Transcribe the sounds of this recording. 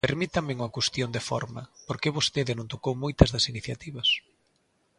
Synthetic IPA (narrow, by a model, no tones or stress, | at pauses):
peɾmit̪ɐmɪuŋɐkwest̪jond̪efɔ̰ɾmɐ̰poɾkeβost̪eðɪnõnt̪okowmojt̪ɐzðɐsiniθjat̪iβɐs